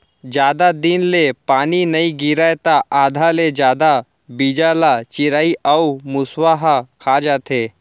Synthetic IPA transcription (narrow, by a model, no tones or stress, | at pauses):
d͡ʒjaːd̪ad̪ɪnlepaːninɐiɡɪɾajt̪aʔaːd̪ʱaled͡ʒjaːd̪a | bid͡ʒalat͡ʃɪɾaːiʔɐumʊswaɦakʰaːd͡ʒaːt̪ʰeː